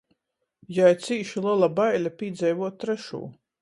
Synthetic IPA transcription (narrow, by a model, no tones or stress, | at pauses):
jajt̪siːʃilˠalˠabajlʲapʲiːd̪zɛjvuɔt̪ːɾɛʃṵː